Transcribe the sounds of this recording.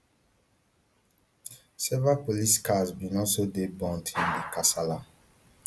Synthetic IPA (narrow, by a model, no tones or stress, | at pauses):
sɛvapoliskazbinɔsodebɔ̃ntʰĩndikasala